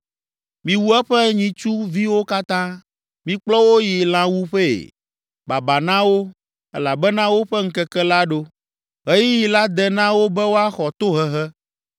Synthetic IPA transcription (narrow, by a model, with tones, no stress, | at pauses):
mĩ˨wu˦ɛ˦ɸɛ˦ɲĩ˨t͡ʃu˦vi˦wo˦ka˦t̪ã˦ | mĩ˦k͡plɔ˦wo˦ji˨lã˦wu˦ɸɛ˦ḛ˨ | ba˨ba˨nã˦wo˦ | ɛ˦la˨bɛ˦nã˦wo˦ɸɛ˦ŋ̩˦kɛ˦kɛ˦la˦ɖo˦ | ɦe˦ji˦ji˨la˦d̪ɛ˨nã˦wo˦bɛ˦wo˦a˦xɔ˨t̪o˦ɦɛ˦ɦɛ˦